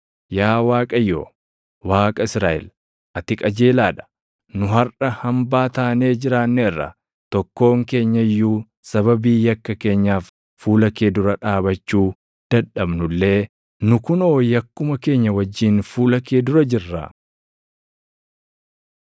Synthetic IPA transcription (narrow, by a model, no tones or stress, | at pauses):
jaːwaːkʼɐjo̰ː | waːkʼɐɪsɾaːʔɛ̰l | ʔɐt̪ɪkʼɐd͡ʒeːlaːᶑɐ̥ | nʊɦɐrɐhɐmbaːt̪aːne̞ːd͡ʒɪɾaːnːɛɪrːɐ̰ | t̪ɔkːo̞ːŋke̞ːɲːɐjːuː | sɐbɐbiːjɐkːɐke̞ːɲːaːfː | uːlɐke̞ːd̪ʊɾɐᶑaːbɐt͡ʃːuː | d̪̥ɐᶑɐbnʊlːe̞ː | nʊkʊno̞ːjɐkːʊmɐke̞ːɲːɐwɐd͡ʒːiːnfuːlɐkeːd̪ʊɾɐd͡ʒɪrːa̰ː